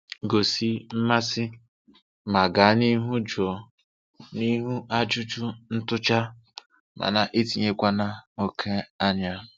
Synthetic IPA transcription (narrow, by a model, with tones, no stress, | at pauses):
ɡo˨si˦m̩˦ma˦sɪ˦ | ma˨ɡa˨˦ni˦ɦu˦d͡ʒu˨ɔ˨ | ni˦ɦu˦ʔa˦d͡ʒʊ˦t͡ʃʊ˦n̩˦tʊ˦t͡ʃa˦ | mʔa̰˨na˨ʔi˦ti˨ɲe˦kʷa˦na˦o˦kʰe˦a˦ɲa˦˨